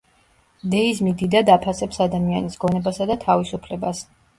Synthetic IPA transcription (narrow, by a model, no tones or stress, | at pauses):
d̪ɛismid̪id̪ad̪apʰasɛpsad̪amianisɡɔnɛbasad̪at̪ʰavisupʰlɛbas